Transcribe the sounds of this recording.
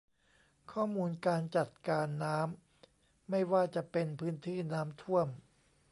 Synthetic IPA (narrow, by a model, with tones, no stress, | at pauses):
kʰɔː˥˩muː˧nkaː˧nt͡ɕa˨˩t̪̚kaː˧nːaː˦˥mː | a˥˩jwaː˥˩t͡ɕa˨˩ʔpe˧npʰɯː˦˥nt̪ʰiː˥˩naː˦˥mt̪ʰu˥˩əm